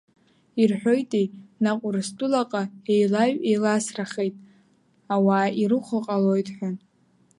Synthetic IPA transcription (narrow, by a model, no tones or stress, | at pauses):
irħʷᶣo̞jtʼejnaqʷʼʊrɨstʷʼʊlaqʼae̞jlaɥejlasraχejtʼ | awaːirɨχʷəqʼalo̞jtʼħʷᶣan